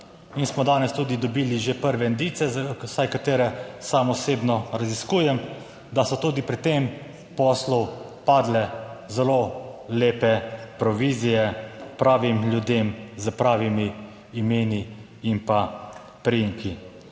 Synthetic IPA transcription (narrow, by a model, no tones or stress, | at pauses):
insmɔd̪aːnɛst̪uːd̪id̪ɔbiːliʒepəɾʋɛnd̪iːt̪sɛzsajkat̪eːɾɛsamɔseːbnɔɾaziskuːjɛm | d̪asɔt̪uːd̪ipɾɛt̪t̪ːem | pɔslɔw | paːd̪lɛzɛloleːpɛpɾɔʋiːzijɛpɾaːʋimljud̪eːmzəpɾaːʋimiː | meːniː | mpa | pɾɛjiŋki